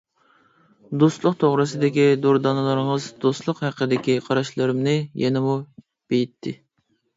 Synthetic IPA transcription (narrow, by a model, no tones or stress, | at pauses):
d̪oslˠʊqt̪ʰoʁɾɨsɨd̪ɪkʲid̪oɾd̪ɑnɨlˠəɾɨŋəzd̪ost̪lˠʊqhæqʰəd̪ɪkʲiqʰɑɾɑʃlˠɨɾɪmnɪjɛnɪmu | b̥ejit̪ʰːɪ